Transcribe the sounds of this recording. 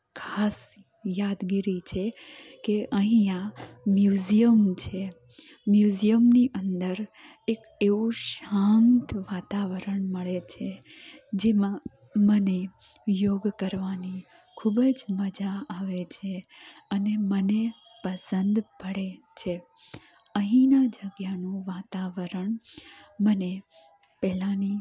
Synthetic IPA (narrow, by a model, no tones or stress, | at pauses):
kʰas | jad̪ɡiɾit͡ʃʰekeʔəɦĩamjuzijəmt͡ʃʰe | mjuzijəmniʔənd̪əɾ | ek | eʋũʃant̪ʋat̪aʋəɾəɳməɭet͡ʃʰe | d͡ʒemã | mənejoɡkəɾʋani | kʰubd͡ʒməd͡ʒaːʋet͡ʃʰeəneməne | pəsənd̪bʱəɽe | t͡ʃʰe | əɦĩnad͡ʒəɡjanũʋat̪aʋəɾəɳməne | pɛɦlãni